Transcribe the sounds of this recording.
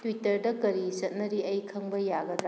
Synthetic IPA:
twitɐɾdɐkɐɾisɐt̚nɐɾiɐjkʰɐŋbɐjaɡɐd̪ɾa

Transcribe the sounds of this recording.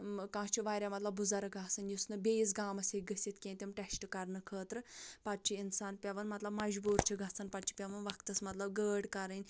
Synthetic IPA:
kãːt͡ʃʰiʋaːɾʲamɐt̪lɐbːuzɐɾɨɡʱaːsɐnjusnɨbʲeːjis̬ɡaːmɐsʲeɡəsit̪kʲẽːnʲt̪ʲimʈɛsʈɨkɐɾnɨkʰəːt̪ɾɨpɐt̪̚t͡ʃʰiinsaːnpʲɐʋɐnmɐt̪lɐbmɐd͡ʒbuːɾt͡ʃʰiɡʱɐsɐnpɐt̪̚t͡ʃʰi̥pʲɐʋɐnʋɐkt̪ɐsmɐt̪lɐbɡəːɽkɐɾɨnʲ

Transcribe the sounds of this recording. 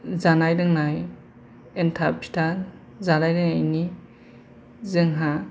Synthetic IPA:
zanajdɯŋnaj | entʰapʰi̥tʰa | zanajɾɯŋajni | zɯŋɦa

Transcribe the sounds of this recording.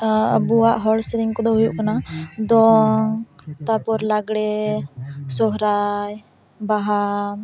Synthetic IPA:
ə̰buwaʔɦɔɽsɾiŋkɔd̪ɔɦujuʔkanad̪ɔŋt̪apɔɾlaɡɽɛ | sɔɦɾaj | baɦam

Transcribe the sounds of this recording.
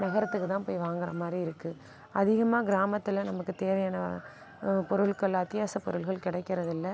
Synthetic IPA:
nɐɣɐɾɐt̪ːɯkːɯt̪ãːpoːjʋaːŋɡɪɾɐ̰maːd̪ɾiɪɾɯkːɯ | ɐðɪɣɐmaːɡɪɾaːmɐt̪ːɪlnɐmɐkːɯt̪eːʋɐjaːnɐ | pɔɾɯɭkɐɭɐt̪ːɪjaːsɐpːɔ̰ɾɯɭɣɐɭkɪɽɐɪkːɪɾɐðɪlːɐ

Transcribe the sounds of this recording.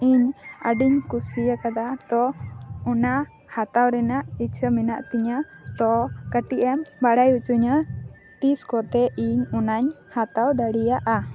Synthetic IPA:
iɲəɖiɲkusijakad̪at̪ɔɔna | hat̪awɾɛnaʔit͡ʃʰəminaʔt̪iɲa | t̪ɔkəʈiʔɛmbaɽajut͡ʃuɲə | t̪iskɔt̪ɛʔiɲunaɲ | hat̪awd̪aɽijaʔa

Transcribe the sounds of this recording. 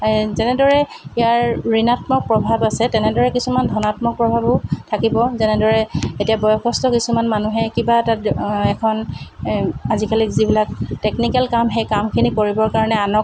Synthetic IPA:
zɛnɛdɔɹɛijaɹɹinatmɔk̚pɹɔbʱabasɛtɛnɛdɔɹɛkisumandʱɔnatmɔk̚pɹɔbʱabʊtʰakibɔzɛnɛdɔɹɛetijabɔjɔkʰɔstɔkisumanmanuɦɛkibatatɛkʰɔn | azikalikzibilak̚teknikɛlkamxejkamkʰinikoɹibɔɹkaɹɔnɛanɔk

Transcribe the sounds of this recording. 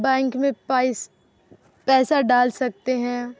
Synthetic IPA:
bɛ̃ːŋkmẽaɪs | pɛːsaɖaːlsɐk̚t̪eɦɛ̃ː

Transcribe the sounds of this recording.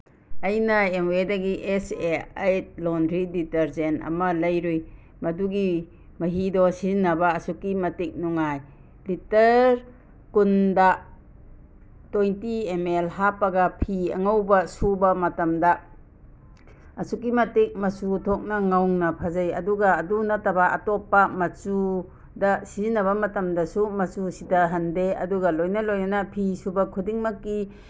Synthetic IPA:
ɐjnɐemedɐɡiʔesea̰jt̚lɔndɾiditeɾzenɐ̰mɐlɐjɾuj | mɐduɡi | mɐɦidɔsizinɐbɐːsukːimɐtek̚nuŋaj | litɐɾ | kundɐ | tojntiemelɦapɐɡɐpʰiɐ̰ŋɐwbɐsubɐmɐtɐmdɐ | ɐsuk̬imɐtek̚mɐsutʰok̚nɐŋawŋnɐpʰɐzɐjɐ̰duɡɐːdunɐtɐbɐɐ̰tɔpːɐmɐt͡ʃu | dɐsizinɐβɐmɐtɐmdɐsumɐt͡ʃusidɐɦɐndeɐ̰duɡɐlojnɐlojnɐnɐpʰisubɐkʰudiŋmɐkːi

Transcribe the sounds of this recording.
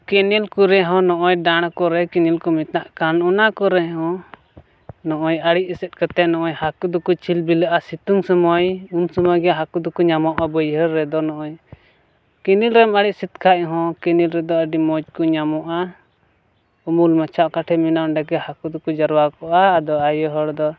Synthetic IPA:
kinilkuɾɛɦɔ̃nɔʔɔjɖaɽ̃kɔɾɛkinilkumit̪naʔkanɔnakɔɾɛɦɔ̃ | nɔʔɔjəɽiʔ̚ɛsɛt̪̚kət̪ɛnɔʔɔjhakud̪ukut͡ʃʰilbiləʔasit̪uŋsəməjunsəməjɡɛɦakud̪ɔkuɲamɔʔabəjɦəɾːɛd̪ɔnɔʔɔj | kinilɾɛmaɽiʔsit̪kʰaʔ̚ɦɔ̃kinilɾɛd̪ɔəɖimɔd͡ʒkɔɲamɔʔa | umulmət͡ʃʰaʔkaʈʰɛminaɳɖaɡɛhakud̪ukud͡ʒəɾwakɔʔaːd̪ɔajəɦəɽd̪ɔ

